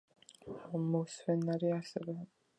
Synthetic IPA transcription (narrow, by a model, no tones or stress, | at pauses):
mɔswɛnaɾiasɛvɛ